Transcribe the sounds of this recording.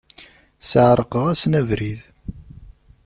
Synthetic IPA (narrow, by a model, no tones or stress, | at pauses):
səʕɾˤəqəʁæsnævɾið